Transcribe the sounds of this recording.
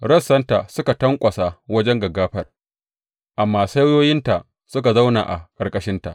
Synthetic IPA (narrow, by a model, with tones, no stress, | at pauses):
ɽɐ˦sːɐ˦nta˨sʊ˦ka˨tɐ˦ŋkʷʼɐ˨sa˨wɐ˦d͡ʒɛ˦ŋɡɐ˨ɡːaː˦ɸɐ˦r | ʔa˨mːaː˨sa˦wjoː˦jɪ˦nta˨ʔ | sʊ˦ka˨za˦wna̰˨ʔa̰˨kʼɐ˨rkʼɐ˦ʃɪ˦nta̰˨ʔ